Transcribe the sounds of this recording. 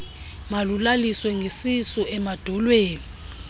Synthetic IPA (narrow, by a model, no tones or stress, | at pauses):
malulaliswɛŋʱesisɔɛmad̥ʱɔlweːni